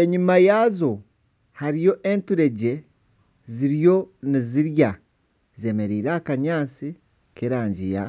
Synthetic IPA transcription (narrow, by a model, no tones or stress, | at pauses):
eɲumajazo̞ | haɾijo̞ʔe̞ntuɾe̞ɟe̞ | ziɾjo̞niziɾja | ze̞me̞ɾiːɾeːkaɲaːt͡si | keɾaːɲɟija̰